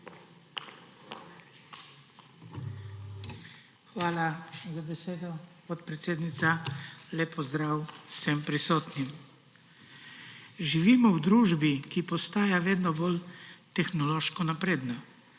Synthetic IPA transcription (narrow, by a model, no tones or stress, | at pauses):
xʋaːlazabɛseːd̪ɔpɔt̪pɾɛt̪seːd̪nit̪salɛpɔzd̪ɾaːwsɛmpɾisɔːt̪nim | ʒiʋiːmɔwd̪ɾuːʒbikipɔst̪aːjaʋeːd̪nɔbolt̪ɛxnɔloːʃkɔnapɾeːd̪na